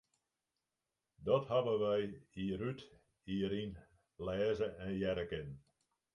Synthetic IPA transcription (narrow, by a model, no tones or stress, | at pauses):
dɔthabəʋɛjiɾyt | iəɾin | lɛːzəʔɛnjɛɾəkɪn